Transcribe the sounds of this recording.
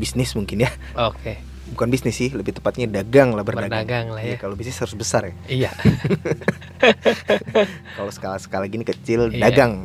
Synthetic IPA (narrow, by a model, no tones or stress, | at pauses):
bisnɪsmuŋkɪnja | oke | bukanbisnɪsɪhləbiht̪əmpat̪̚ɲadaɡaŋlahbərbdadaɡaŋlajakalobisnɪshaɾʊsbəsarjija | kalosə̥kalasə̥kalaɡinikət͡ʃɪldaɡɡaŋ